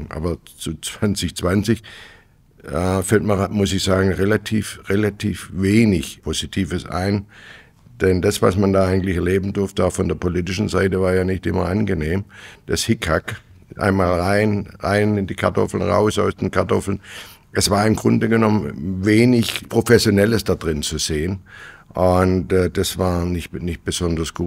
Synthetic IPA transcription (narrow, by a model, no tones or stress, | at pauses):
ʔa̰ːbɐt͡sut͡sv̥ant͡sɪçt͡sv̥ant͡sɪç | ɛfɛltmɐmʊsɪçz̥aːɡŋ̩ʁelatʰiːfʁelatʰiːfveːnɪçpʰozitʰiːvəsʔa̰ɪn | d̥ɛndasv̥a̰smandaːʔaɪɡŋ̩tlɪçɛɐleːbn̩dʊɐftəaʊfɔndeːɐpʰolitɪʃn̩zaɪtəvaːɐjaːnɪçtʔɪmɐ̰ʔanɡəneːmd̥ashɪkʰak | ʔa̰ɪnmaːlʁaɪnʁa̰ɪnɪndiːkʰa̰ɐtʰɔ̰fl̩nʁa̰ʊsaʊsd̥eːnkʰaɐtʰɔfl̩n | ɛsv̥aːɐɪmɡʁʊndəɡənɔmənveːnɪçpʁ̥ofɛsjonɛləsd̥ad̥ʁɪnt͡suz̥eːənʔʊntɛd̥asv̥aːɐnɪçtnɪçt̚b̥əzɔndɐsɡ̥uː